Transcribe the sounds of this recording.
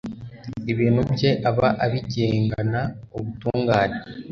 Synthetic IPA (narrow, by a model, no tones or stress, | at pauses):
iβiːnhubje̞ʔaβaʔaβiɟeːŋɡanaoβutuːŋɡaːne